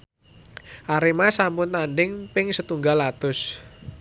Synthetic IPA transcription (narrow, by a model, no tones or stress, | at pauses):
ʔaɾimasampʊnt̪anɖɪŋpɪŋsət̪uŋɡalat̪ʊs